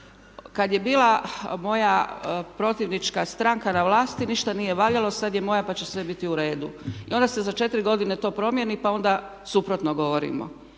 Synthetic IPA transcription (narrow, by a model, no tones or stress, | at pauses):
kad̪je̞biːlamo̞japɾo̞t̪iʋnit͡ʃkast̪ɾaŋkanaʋlaːst̪iniʃt̪anije̞ʋaʎalosad̪jemo̞japat͡ɕe̞sʋe̞bit̪iuɾe̞ːd̪uio̞nd̪ase̞zat͡ʃe̞t̪iɾiɡo̞d̪inet̪o̞ːpɾo̞mje̞nipao̞nd̪a | supɾo̞t̪noɡo̞ʋo̞ɾḭmo̰